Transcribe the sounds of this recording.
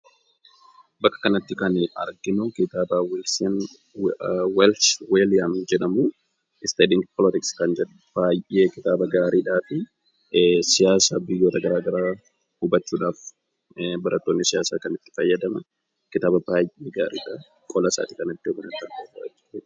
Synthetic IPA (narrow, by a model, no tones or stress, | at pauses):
bɐkʼːɐ̥kɐnɐt̪ːɪkɐnɐ̰ɾɡɪnʊkɪt̪aːbaːwɛlsen | wɛlswelɪjamd͡ʒɛᶑɐmu | ʔɪst̪eːd̪ɪŋpʰɔlɪt̪ɪkskɐnd͡ʒɛᶑ | b̥aːjʔeːkɪt̪aːbɐɡaːɾʔiːᶑaːfɪ | sɪjaːsaːbɪjːo̞ːt̪ɐɡɐɾaːɡɐɾaː | hʊbɐt͡ʃːuːᶑaːf | bɐɾʔɐt̪ːoːnːɪsɪjaːsa̰ːkɐnɪt̪ːɪ̥fɐjːɐd̪ɐmɐ | kɪt̪aːbɐbaːjʔeːɡaːɾḭːᶑaː | kʼɔlɐsa̰ːt̪ɪ̥kɐnɐt̪ːɪɔmɐnɐt̪ːɐneːfɐɐ̰t͡ʃːɪe